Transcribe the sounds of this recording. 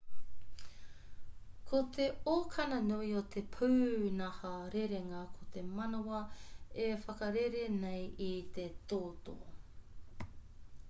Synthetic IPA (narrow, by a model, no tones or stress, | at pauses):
kʰot̪ʰe̞okʰɐnɐnojot̪ʰepʰuːnɐhɐɾeɾeŋɐkʰot̪emɐnowɐefɐkɐɾeɾenejit̪et̪oːt̪o̰